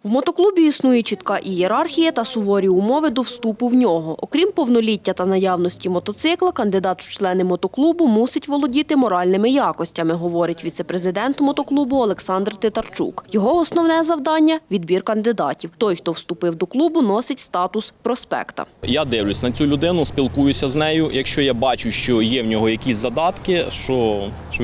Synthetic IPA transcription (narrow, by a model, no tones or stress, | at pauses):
wmɔt̪ɔklˠubʲiisnujɛt͡ʃit̪kɑʔijeɾɑrxʲijɐt̪ɐsʊɦɔɾʲiʊmɔʋɪd̪ɔwst̪upʊwnʲɔɦɔʔɔkɾʲimpɔwnɔlʲitʲːɐt̪ɐnɐjɑwnɔsʲtʲimɔt̪ɔt̪sɪklˠɐkɐnd̪ɪd̪ɑt̪wt͡ʃlˠɛnɪmɔt̪ɔklˠubʊmusɪtʲʋɔlˠɔdʲit̪ɪmɔɾɑlʲnɪmɪjɑkɔsʲtʲɐmɪɦɔʋɔɾɪtʲʋʲit̪sɛpɾezɪd̪ɛnt̪mɔt̪ɔklˠubʊɔlˠeksɑnd̪rt̪ɪt̪ɐrt͡ʃṵkjɔɦɔɔsnɔwnɛzɐwd̪ɑnʲːɐʋʲid̪bʲirkɐnd̪ɪd̪ɑtʲiwt̪ɔjxt̪ɔwst̪ʊpɪwd̪ɔklˠubʊnɔsɪtʲst̪ɑt̪ʊspɾɔspɛ̰kt̪ɐ̰jad̪ɪwlʲʊsʲnɐt͡sʲulʲʊd̪ɪnʊsʲpʲilˠkujʊsʲɐznɛjʊjɐkʃt͡ʃɔjabɑt͡ʃʊʃt͡ʃɔjɛwnʲɔɦɔjɐkʲisʲzɐd̪ɑt̪kɪʃt͡ʃɔ | ʃt͡ʃɔ